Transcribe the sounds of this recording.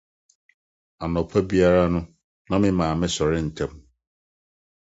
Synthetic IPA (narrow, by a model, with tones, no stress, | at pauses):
a˨nɔ̃˨pʰa˦bi˦a˦ɾa˦nʊ̃˦ | nã˦mɪ̃˦mãː˨mɪ̃˦sɔ˨ɾɪ˦n̩˨tʰɛ̃˦m